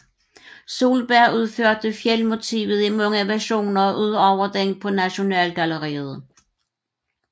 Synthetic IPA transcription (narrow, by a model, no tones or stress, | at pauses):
so̝̰ːlb̥æɐ̰uðˠføɐd̥əfjelmo̝t͡sʰḭːʋð̩ˠimɔ̽ŋ̰əʋæɐɕo̝̰ːnɐɒʔuðˠɒʊɐd̥eŋ̰d̥̚pʰɒ̽næɕo̝nɛ̰ːlɡ̥æləʁḭːð̩ˠ